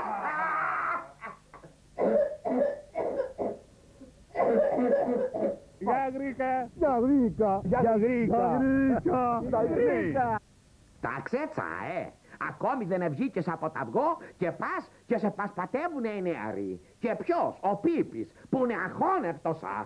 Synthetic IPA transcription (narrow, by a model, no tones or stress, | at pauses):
eɣɾikejɐɣɾikɐɣɾikɾikɐikɐ | t̪a̰kset͡sa̰e | ɐ̰ko̞miðenevʝicesɐpot̪ɐ̰vɣoce̞pɐscesepɐspɐt̪evuneineɐ̰ɾḭcepçosopipispuineɐxonept̪osɐ̰